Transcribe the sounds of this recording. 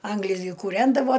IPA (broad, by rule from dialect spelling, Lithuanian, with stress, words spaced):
ˈɐŋɡlʲɪs ɡʲɪ kuːˈrʲɛndɐʋoː